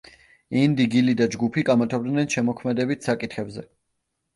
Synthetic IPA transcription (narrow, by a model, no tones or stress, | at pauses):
ind̪iɡilid̪ad͡ʒɡupʰiɡamat̪ʰabd̪nɛnʃɛmɔkʰmɛd̪ɛbit̪ʰsakʼit̪χɛbzɛ